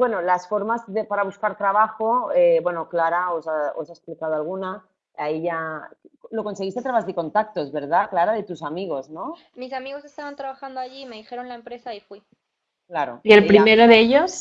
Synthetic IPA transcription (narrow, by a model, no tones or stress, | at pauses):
bwe̞no̞lasfo̞ɾmazðepaɾaβ̞uskaɾt̪ɾaβaxoebwe̞noklaɾaosao̰saesplikað̞oalɣ̞una | aiʝaklo̞ko̞ns̬eɣist̪et̪ɾaβazðeko̞nt̪ak̚t̪oezβe̞ɾðaklaɾaðe̞t̪usamiɣ̞o̞zno̞ | misamiɣo̞se̞st̪aβant̪ɾaβaxand̪oaʝime̞ðixe̞ɾo̞nlaempɾe̞saifwi | klaɾo̞̰ielpɾimeɾoðeeʎos